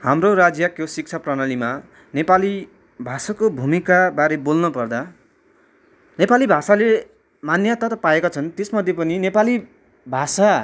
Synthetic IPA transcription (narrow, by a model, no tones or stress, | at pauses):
hamroɾad͡zjʌkjosik̚t͡sʰaprʌnalima | nepali | bʱasakobʱumikabaɾebolnʌpʌrd̪a | nepalibʱasale | manjʌt̪ʌt̪ʌpaekot͡sʰʌnt̪esmʌd̪ʱjepʌninepali | bʱasa